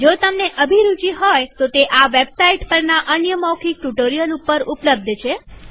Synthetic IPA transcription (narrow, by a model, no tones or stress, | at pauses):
d͡ʒot̪əmneʔəbʱiɾut͡ʃiɦojt̪ot̪eʔaʋebsaiʈpəɾnaʔənjəmɔkʰik̚ʈuʈoɾijəlupəɾupləb̚d̪ʱt͡ʃʰe